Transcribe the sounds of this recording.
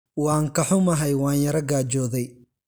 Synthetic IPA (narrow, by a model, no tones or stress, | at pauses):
wɑːŋkʰɐħʊmɐɦɛjwaːnjɐɾɐɡaːt͡ʃɔːðɛj